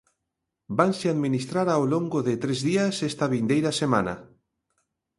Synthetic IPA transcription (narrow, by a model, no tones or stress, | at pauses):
banseaðmĩnist̪ɾaɾawloŋɡoðet̪ɾezðiasest̪aβind̪ejɾasema̰na̰